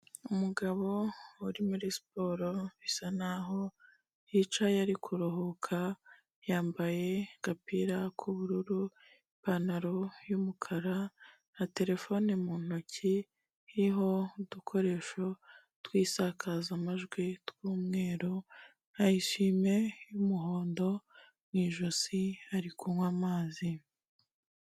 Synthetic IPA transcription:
umuɡaβo̞uɾimuɾisi̥po̞ːɾo̞βisanaɦo̞ | jit͡ʃajaɾikʰuɾo̞ɦo̞kʰa | jaːmbaje̞ɡ̥apiɾakʰuβuɾuɾu | panaɾo̞jumukʰaɾa | ate̞ɾe̞fo̞nemuːn̥oci | hiɦo̞dukʰo̞ɾe̞ːʃo̞ | twiːsakʰazamaʒɡwitwuːmŋe̞ːɾo | ajiʃiːme̞jumuɦo̞ːndo̞ | mŋiːʒosiaɾikumwamaːzi

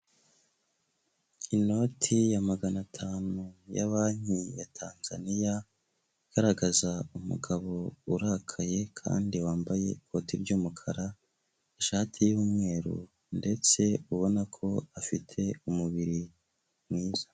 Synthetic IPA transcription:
ino̞tʰijamaɡanatʰaːnuja̰βaːɲ̥ijatʰaːnza̰nija | iɡ̥aɾaɡazaumṵɡaβo̞uɾakʰaje̞kʰa̰ːndiwaːmbaje̞̰kʰo̞tiɾɟuːmukʰaɾa | eʃaːtʰijuːmŋe̞ːɾṵ | nde̞t͡se̞uβo̞nakʰo̞afitʰe̞umuβiɾi | mŋiːz̥ḁ

